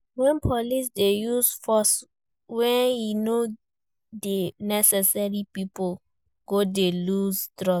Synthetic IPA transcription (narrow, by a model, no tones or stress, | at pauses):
wɛ̃npʰɔlis̬dejusfɔs | wɛ̃njuno | denɛsɛsaɹipipo | ɡ̥odeluztɹɔ